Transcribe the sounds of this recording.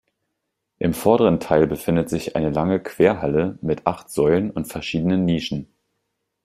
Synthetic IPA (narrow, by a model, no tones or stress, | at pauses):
ʔɪmfɔɐdəʁ̞əntʰaɪlbəfɪndətz̥ɪçʔa̰ɪnəlaŋəkʰv̥eːɐɦaləmɪtʔaχtz̥ɔʏlənʊntfɛɐʃiːdənənːiːʃn̩